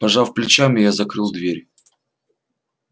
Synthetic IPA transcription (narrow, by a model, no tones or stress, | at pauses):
pɐʐafplʲɪt͡ɕamʲɪjazɐkɾɨlˠd̪vʲeɾʲ